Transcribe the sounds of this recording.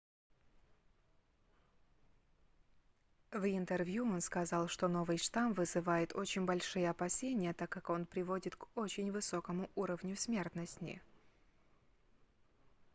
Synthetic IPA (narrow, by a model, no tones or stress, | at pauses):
vɪnt̪ərvʲjuo̞nskɐzɑlˠʂt̪o̞no̞vɨjʂt̪amvɨzɨvajɪt̪ʰo̞t͡ɕɪnʲbɐlʲʂɨjəɐpɐsʲenʲɪjət̪akːako̞npɾʲɪvo̞dʲɪt̪ko̞t͡ɕɪnʲvɨsokəmʊʔuɾəvnʲʊsʲmʲe̞rt̪nəsʲnʲɪ̰